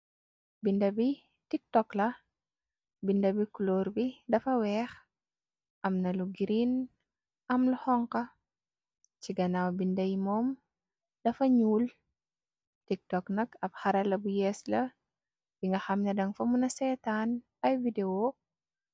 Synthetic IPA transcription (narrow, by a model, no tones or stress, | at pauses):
bindɐbi | tik̚tɔklɐ | bindɐbikulɔːɾbidɐfɐwɛːx | ʔɐmnɐluɡiɾin | ɐmluhɔŋkɐ | t͡ʃiɡɐnawbindɐjmɔːm | dɐfɐɲuːl | tik̚tɔknɐkɐbxɐɾɐlɐbujɛːslɐ | biŋɡɐxɐmnɐdɐŋfɐmunɐsɛtaːn | ɐjvideo